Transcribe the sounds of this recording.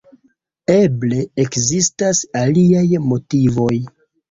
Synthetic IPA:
e̞ble̞ːkzistasaliajmo̞tivo̞j

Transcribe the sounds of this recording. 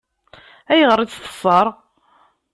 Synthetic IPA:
æjəʁəɾˤiθə̥sˤːəɾˤ

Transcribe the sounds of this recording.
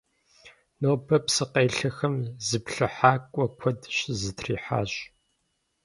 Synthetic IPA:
noːbʰɐpsɨqɐjɬɐxɐmzɨpɬɨħaːkʷʼɔkʷʰɔdɕɪzɨtʰriːħa̰ːɕ

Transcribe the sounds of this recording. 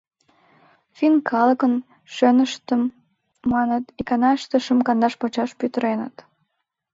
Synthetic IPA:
finkʰɑləkən | ʃønəʃt̪əmː | ɑnət̪ikɑnɑʃt̪əʃəmkɑnd̪ɑʃpot͡ɕɑʃpyt̪əɾenə̰t̪

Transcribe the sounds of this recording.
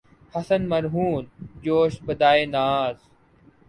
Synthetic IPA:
hɐsənmɐɾɦuːnd͡ʑoːʃbɐd̪aːeːnaːz

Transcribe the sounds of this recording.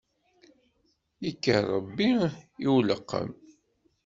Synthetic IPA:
ikːərˤəbːiiwləqːə̰m

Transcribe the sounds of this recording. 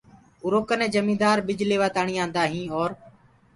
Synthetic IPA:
ʊɾoːkənɛ̃ːd͡ʒəmĩːd̪aːɾbɪd͡ʒleːʋaːt̪aːɳĩːãːnd̪aːɦĩːɔːɾ

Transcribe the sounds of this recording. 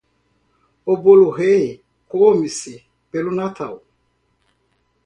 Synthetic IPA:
oboluɦɛ | koomisi | b̥ɛlunatʰau

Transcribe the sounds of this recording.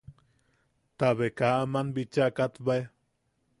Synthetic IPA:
t̪aβekaamanbit͡ʃakat̪bae

